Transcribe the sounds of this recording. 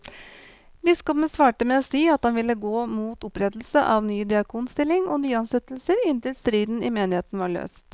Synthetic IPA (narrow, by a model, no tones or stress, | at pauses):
bɪskɔpənsʋɑːʈəmɛoːsiːɑt̪̚hɑnʋɪlːəɡoːmuːt̪ʊpɾɛd̪l̩səʔɑʋnyːd̪ɪɑkʰuːnst̪ɪlːɪŋɔnyːɑnsɛt̪lsəɾɪnt̪ɪlst̪ɾiːd̪n̩ɪmeːnɪheːt̪nəʋɑːɭø̰ːst̪